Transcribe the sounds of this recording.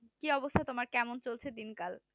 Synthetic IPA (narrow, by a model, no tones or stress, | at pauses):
kiɔbost̪ʰat̪omaɾkɛmont͡ɕolt͡ɕʰed̪inkal